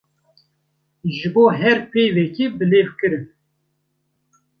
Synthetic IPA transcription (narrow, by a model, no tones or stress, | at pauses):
ʒɨboːɦɛɾpʰeːjvɛkibɨleːvkɨɾɨn